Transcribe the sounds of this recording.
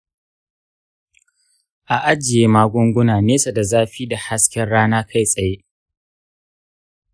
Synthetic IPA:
ʔa˨ʔa˦d͡ʒɪ˨jeː˦maː˦ɡʷʊ˦ŋɡʷʊ˦naː˨neː˦sa˨da˨zaː˦ɸiː˦da˨ha˦skʲɛ˦nɽaː˦naː˦kʰa˦jsʼɐ˨je˦ʔ

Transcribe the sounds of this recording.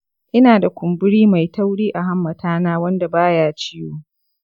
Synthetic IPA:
ʔɪ˦naː˨da˨kʷʊ˨mbɪ˦ɽiː˦ma˨jta˦wɽiː˦ʔa˨ɦa˦mːɐ˨tʰaː˦naː˦wɐ˦nda˨baː˦jaː˦t͡ʃɪ˦joː˦

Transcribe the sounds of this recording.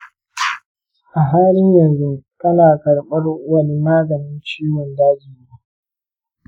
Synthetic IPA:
ʔa˨ɦaː˦lɪ˦ɲjɐ˨nzʊ˦ŋkʼɐ˦laː˨kɐ˨ɽɓɐ˦rwɐ˦˨lmaː˦ɡɐ˨nɪ˦nt͡ʃiː˦wɔ˨ndaː˦d͡ʒiː˨neː˦

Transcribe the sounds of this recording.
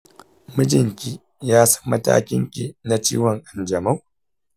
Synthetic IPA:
mɨ˦d͡ʒɪ˨ŋkʲi˦ | jaː˦sɐ̥˦mːɐ˦ta̰ː˦kʲɪ˦ŋkʲi˨na˦t͡ʃiː˦wɔ˨ŋʔa˨nd͡ʒɐ˨ma˦w

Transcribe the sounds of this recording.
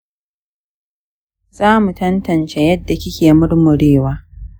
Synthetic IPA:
zaː˦mu˨tɐ˦ntɐ˨nt͡ʃe˦jɐ˦dːa˨kʲɪ˦kʲeː˨mʊ˦rmʊ˨ɽeː˦˨waː˦

